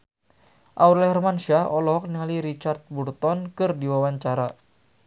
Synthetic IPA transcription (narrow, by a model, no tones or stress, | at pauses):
ʔauɾlɛɛrmanʃaɔlɔɦɔk̚nialiɾit͡ʃart̪̚burt̪ɔnkɨrdiwawaɲt͡ʃaɾa